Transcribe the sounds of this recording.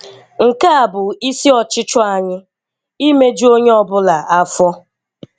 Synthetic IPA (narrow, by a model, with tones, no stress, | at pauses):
ŋ̩˨ka˦a˨bʊ˨i˦si˦ɔ˨t͡ʃɪ˦t͡ʃɔ˦a˨ɲɪ˦ | i˦me˦d͡ʒi˦o˦ɲe˦ɔ˦bʊ˦la˨a˦fɔ˦